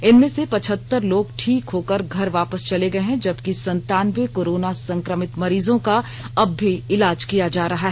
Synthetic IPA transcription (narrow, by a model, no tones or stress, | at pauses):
ɪnmẽsepɐt͡ʃʰət̪ːəɾloːɡʈʰiːkɦoːkəɾɡʱɐɾʋaːpəst͡ʃɐleɡɐeɦɛ̃d͡ʒɐbkisɐ̃nt̪aːnʋekoːɾoːnasɐ̃ŋkɾəmɪt̪mɐɾiːzõka | ɐbːiɪlaːd͡ʒkijad͡ʒaːɾɐɦaɦɛ